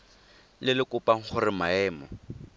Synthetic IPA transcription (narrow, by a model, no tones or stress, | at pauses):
lɪlɪkʊpaŋ̩χʰʊrɪmaɛːmɔ